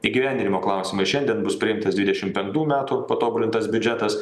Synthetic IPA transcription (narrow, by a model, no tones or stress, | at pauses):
iːɡʲiʋʲæˑnʲd̪ʲɪnʲɪmoːklˠɑˑʊsʲɪmɐɪʃʲɛnʲd̪ʲiɛnbʊspʲɾʲɪɪmt̪ɐsd̪ʲʋʲɪd̪ʲɛʃʲɪmpʲɛŋk̚t̪uːmʲæːt̪upɐt̪oːbʊlʲɪnt̪ɐsbʲʊd͡ʒʲɛt̪ɐs